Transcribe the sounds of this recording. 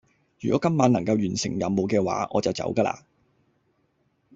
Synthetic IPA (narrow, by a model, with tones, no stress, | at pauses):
jyː˨kɔː˨˦˥kɐ˥mːaː˨˥nɐ˨˩ŋkɐ˧wjyː˨˩nsɪ̰˨˩ŋjɐ̰˨˧mmo˨˧wkɛː˧wa̰ː˨˥ʔɔ̰ː˨˧t͡sɐ˨wt͡sɐ̰˨˥wkɐː˧la̰ː˧